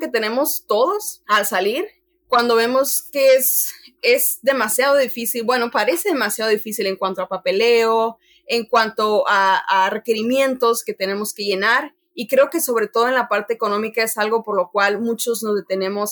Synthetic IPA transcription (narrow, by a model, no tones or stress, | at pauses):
ke̞t̪e̞ne̞mo̞st̪o̞ðosalsaliɾ | kwand̪o̞βe̞mo̞skeese̞zðe̞masjaðo̞ðifisilbwe̞no̞paɾe̞se̞ðe̞masjaðo̞ðifisile̞ŋkwant̪oapape̞le̞o | eŋkwant̪o̞aare̞ke̞ɾimje̞nt̪o̞ske̞t̪ene̞mo̞ske̞ʝe̞naɾ | ikɾe̞oke̞so̞β̞ɾe̞t̪o̞ð̞oe̞nlapaɾt̪e̞ːko̞nõ̞mikae̞salɣo̞po̞ɾlo̞kwalmũt͡ʃo̞znozðe̞t̪e̞nẽ̞mo̞s